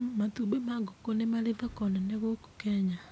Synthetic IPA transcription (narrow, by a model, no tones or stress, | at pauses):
matubemaɡɔkonemaɾeðakɔnaneɣoko̥kɛɲa